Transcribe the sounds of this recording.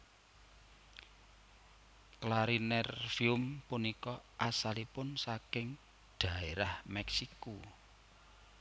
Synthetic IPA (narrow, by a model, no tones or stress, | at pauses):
klaɾinɛrfiʊmpunikɔʔasalipʊnsakɪŋ | ɖ̪̥ä̤eɾahmɛksiku